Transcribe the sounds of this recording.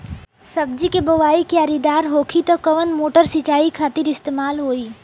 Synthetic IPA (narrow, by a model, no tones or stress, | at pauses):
sɐbd͡ʒikeboʋaːikiaɾid̪aːɾɦoːkʰit̪ɔkɐʋənmoːʈəɾsit͡ʃaːikʰaːt̪ɪɾɪst̪eːmaːlɦoːiː